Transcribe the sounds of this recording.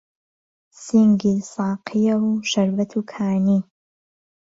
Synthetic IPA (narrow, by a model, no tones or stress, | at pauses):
siŋɡisɑːqʰijɐwʃɐɾbɐt̪ʰuːkʰaːniː